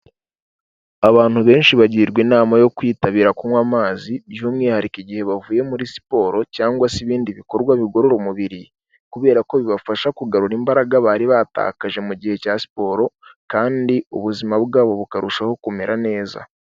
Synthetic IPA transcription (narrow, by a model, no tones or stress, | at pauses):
aβaːn̥huβe̞ːnʃiβaɟiɾɡwinaːmajo̞kwiːtaβiːɾakumwamaːzijomŋiːhaɾikiɟihe̞βavuːje̞muɾisi̥po̞ɾo̞caːŋɡwasiβiːndiβiko̞ɾɡwaβiɡo̞ɾoɾomuβiɾi | kuβe̞ːɾako̞βiβafaʃakuɡaɾuɾimbaɾaɡaβaːɾiβaːta̰kaʒe̞muɟihe̞casi̥po̞ɾo̞kaːndiuβuzimabɡaːβo̞βukaɾuʃaho̞kume̞ɾʔane̞ːza̰